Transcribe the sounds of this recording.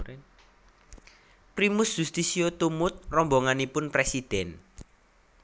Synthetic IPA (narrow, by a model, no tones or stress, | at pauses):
pɾimʊsd͡ʒ̥ust̪isiot̪umʊt̪̚rɔmbɔŋanipʊnpɾesid̪̥ɛn